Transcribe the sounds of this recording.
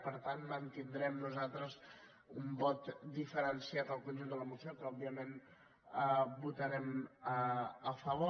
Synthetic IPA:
pəɾt̪ant̪mənt̪ind̪ɾɛmnuzalˠt̪ɾəz | umbɔt̪d̪ifəɾənsiat̪əlˠkund͡ʒund̪ələmusijopɾɔbiəmen | əbut̪əɾɛməəfəβo

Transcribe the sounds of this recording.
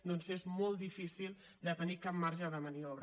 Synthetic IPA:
d̪ɔnsezmɔlˠd̪ifisilˠ | d̪ət̪ənikap̚maɾʒəðəməniɔβɾ

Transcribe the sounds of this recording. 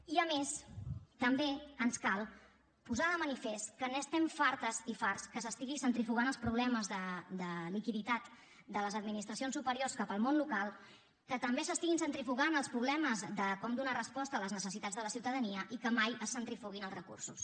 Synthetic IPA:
iəmest̪əmbeənskalˠ | puzaðəmənifɛst̪kənest̪ɛɱfaɾt̪əzifarskəsəst̪iɣisənt̪ɾifuɣ̞anəlˠspɾuβ̞lɛməzðəd̪əlikiðit̪at̪ | d̪ələzəd̪minist̪ɾəsionsupəɾiorskapəlˠmonlukalˠ | kət̪əmbesəst̪iɣinsənt̪ɾifuɣanəlˠspɾuβlɛməzðəkɔmd̪unarəspɔst̪əːləznəsəsit̪ad͡zðələsiwt̪əðəniəʔikəmajəsːənt̪ɾifuɣinəlˠzrəkṵrsus

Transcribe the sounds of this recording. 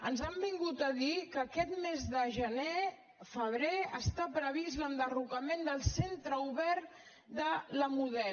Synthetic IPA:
ənzəmbiŋɡut̪əðikəːkɛt̪mezðəʒəne | fəβ̞ɾeəst̪apɾəβ̞iz̬lənd̪ərukəmend̪əlˠsent̪ɾəuβɛɾt̪ | d̪ələmuðɛ

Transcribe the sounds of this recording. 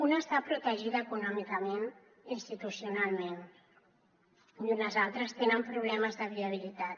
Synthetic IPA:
unəːst̪apɾut̪əʒiðəːkunɔmikəmen | inst̪it̪usiunalˠmen | unəzalˠt̪ɾəst̪enəmpɾuβ̞lɛməzðəβiəβ̞ilit̪at̪

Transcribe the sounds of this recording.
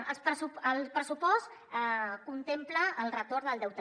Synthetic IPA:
əlspɾəsuəlˠpɾəsupɔs | kunt̪empləːlˠrət̪oɾd̪əlˠd̪ɛwt̪

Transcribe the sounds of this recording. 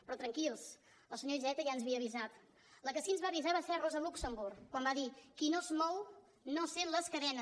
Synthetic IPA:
pɾɔt̪ɾəŋkilˠs | əlˠsəɲoiʒɛt̪əʒaənzβiəːβizat̪ | ləkəsinzβaβizaβaseɾrozəluksəmbuɾkːwambaðikinozmɔw | noseləskəðɛnə

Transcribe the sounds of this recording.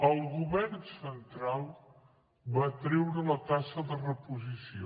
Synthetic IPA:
əlˠɣuβɛrnsənt̪ɾalˠ | βat̪ɾɛwɾələt̪asəðərəpuzisio

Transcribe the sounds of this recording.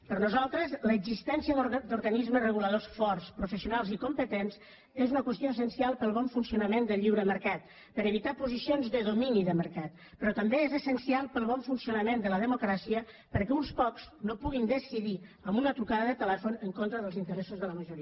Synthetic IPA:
pəɾnuzalˠt̪ɾəzləːɡzist̪ɛnsiəðd̪uɾɣənizməzrəɣ̞uləðosfɔrspɾufəsiunalˠzikumpət̪ens | ezunəkwəst̪ioəsənsialˠpəlˠβɔɱfunsiunəmend̪əʎiwɾəməɾkat̪̚ | pəɾəβit̪apuzisionzðəðuminiðəməɾkat̪̚ | pɾɔt̪əmbeezəsənsialˠpəlˠβɔɱfunsiunəmend̪ələðəmukɾasiə | pəɾkɛunspɔkznopuɣind̪əsiðiəmbunət̪ɾukaðəðət̪əlɛfunəŋkont̪ɾəðəlˠzint̪əɾɛsuzðələməʒuɾi

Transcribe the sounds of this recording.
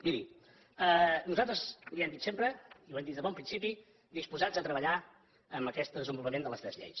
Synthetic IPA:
miɾḭ | ənuzalˠt̪ɾəzliɛmd̪it̪sempɾəiwɛmnd̪it̪əβɔmpɾinsipi | d̪ispuzad͡zət̪ɾəβəʎa | əmbəkɛst̪d̪əzəmbulˠβəmend̪ələst̪ɾɛzʎḛjs

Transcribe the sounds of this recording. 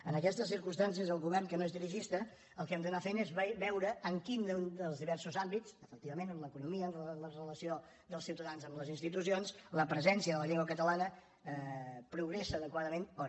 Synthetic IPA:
ənəkɛst̪əsiɾkunst̪ans̬iəzəlˠɣuβɛrŋkənoezðiɾiʒist̪ə | əlˠkɛmd̪ənafenezββɛwɾəːŋkind̪nd̪əlˠzðiβɛrsuzambit͡səfək̚t̪iβəmenəmləkunumiəːnələrələsio | d̪əlˠsiwt̪əðanzəmləzinst̪it̪usionsləpɾəzɛnsiəðələʎeŋɡwəkət̪əlanə | pɾuɣɾesəːðəkwaðəmenɔɾ

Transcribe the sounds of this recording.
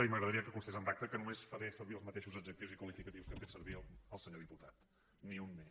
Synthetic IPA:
əiməɣɾəðəɾiəkəkunst̪ezəmbak̚t̪əkənumesfəɾesəɾβiəlˠzmət̪eʃuzəd͡ʒək̚t̪iwzikwəlifikət̪iwskəɱfet̪səɾβiləlˠsəɲoðiput̪at̪ | niunme

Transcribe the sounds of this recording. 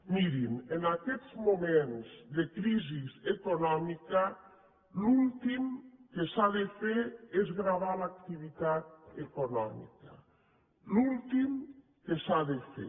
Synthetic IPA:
miɾimenakɛzmumẽnzðekɾizizekonɔmika | lult̪imkesaðefeɾezɣɾaβ̞alak̚t̪iβ̞it̪at̪̚ekonɔmḭka | lult̪im | kesaðefḛ

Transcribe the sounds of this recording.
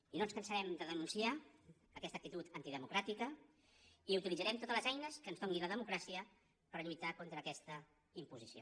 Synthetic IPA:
inonskənsəɾɛmd̪əðənunsiaː | kɛst̪əkt̪it̪ut̪ənt̪iðəmukɾat̪ikə | iut̪ilidd͡zəɾɛmt̪ot̪ələzɛjnəskənzðoŋɡinləðəmukɾasiə | pəɾʎujt̪akont̪ɾəːkɛst̪ə | impuzisio̰

